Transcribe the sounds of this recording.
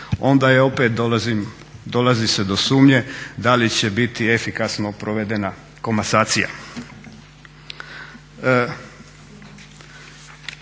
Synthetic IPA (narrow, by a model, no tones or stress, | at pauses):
o̞nd̪ajao̞pe̞t̪̚zim | d̪o̞lazised̪o̞suːmɲe̞d̪alit͡ɕe̞bit̪iefikasnopɾoʋe̞d̪ena | ko̞masaːt̪sija̰